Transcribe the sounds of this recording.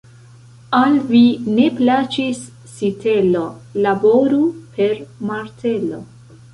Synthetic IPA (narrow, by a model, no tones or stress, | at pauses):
alvine̞plat͡ʃisː | itʰe̞lo̞labo̞ɾupʰe̞ɾmaɾtʰe̞lo̰